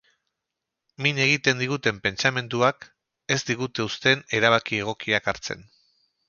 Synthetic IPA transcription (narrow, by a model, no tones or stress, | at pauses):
miɲe̞ɣ̞it̪e̞nd̪iɣut̪e̞mpe̞nt͡same̞nd̪uak | e̞zd̪iɣut̪e̞ust̪e̞ne̞ɾaβ̞akie̞ɣ̞o̞kiakaɾt͡se̞̰n